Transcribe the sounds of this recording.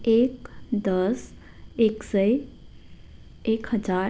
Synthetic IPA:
ekd̪əs | eksə | ekɦəd͡ʒa

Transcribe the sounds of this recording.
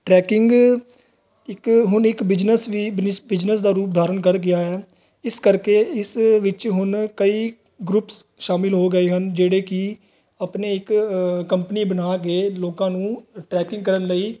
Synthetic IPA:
ʈɾɛːkɪŋɡ | ɪkɦʊnɪkbɪd͡ʒnəsʋiːbɪbɪd͡ʒnəsd̪aːɾuːp̚d̪ʱaːɾənkəɾɡɪaːɦɛː | ɪskəɾkeːɪsʋɪt͡ʃɦʊnkəiː | ɡɾʊpsʃaːmɪlɦoːɡəeːɦənd͡ʒeːɽeːkɪ | əpneːɪkkəmpəniːbənaːkeːloːkãːnũːʈɾɛːkɪ̃ŋɡkəɾənləiː

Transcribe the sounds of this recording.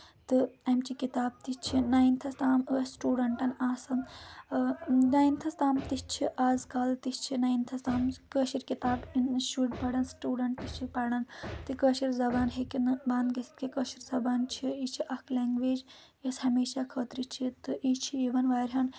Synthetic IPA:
t̪ɨɐmt͡ʃʰikit̪aːb̚t̪it͡ʃʰinaːjint̪ʰɐst̪aːmɨɐsʈuːɖɐɳʈɐnaːsɐn | naːjint̪ʰɐst̪aːmt̪it͡ʃʰiʔaːzkaːlt̪ist͡ʃʰinaːjint̪ʰɐst̪aːmkəːʃiɾʲkit̪aːbinʃuʈpɐɽɐnsʈuːɖɐɳʈt̪it͡ʃʰipɐːɽɐnt̪ɨkəːʃiɾzɐbaːnɦekinbãːnd̪ɡɐsi̥t̪̚kikəːʃiɾzɐbaːnt͡ʃʰiit͡ʃʰiʔɐkʰleːŋɡʋeːd͡ʒ | jɐshɐmeːʃakʰɐːt̪ɾit͡ʃʰit̪ɨʔit͡ʃʰiiʋɐnʋaːɾʲɦɐn

